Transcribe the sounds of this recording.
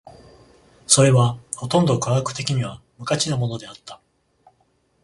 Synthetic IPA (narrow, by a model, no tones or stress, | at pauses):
so̞ɾe̞βaho̞t̪õ̞nd̪o̞kaɡakɯ̟t̪e̞kʲiɲ̟iβa | mɯ̟kat͡ɕinamo̞no̞d̪e̞at̪ːḁ